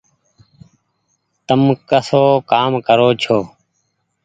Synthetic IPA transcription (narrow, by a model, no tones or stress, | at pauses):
t̪əmkəsoːkaːmkəɾoːt͡ʃʰoː